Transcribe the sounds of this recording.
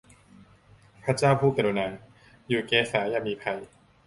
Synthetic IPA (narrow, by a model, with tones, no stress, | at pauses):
pʰa˦˥t͡ɕaː˥˩wpʰuː˥˩ka˨˩u˧naː˩˦ŋ | juː˨˩keː˨˦˥saː˩˦jaː˧˩miː˧pʰa˧j